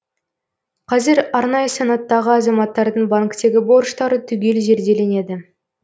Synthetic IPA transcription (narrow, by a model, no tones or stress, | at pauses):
qʰɑzɪɾɑɾnɑjəsɑnɑt̪ːɑʁəɑzɑmɑt̪ːɑɾd̪əɴbaŋkt̪e̞ɡʲɪbo̞rʃt̪ɑɾət̪ʰʏɡʲe̞lʒe̞ɾd̪e̞le̞ne̞d̪ɪ